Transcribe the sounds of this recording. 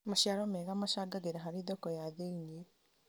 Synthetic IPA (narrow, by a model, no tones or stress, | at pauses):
maʃjaɾomeɣamaʃaɡaɡeɾaɦaɾiðokojaðeinie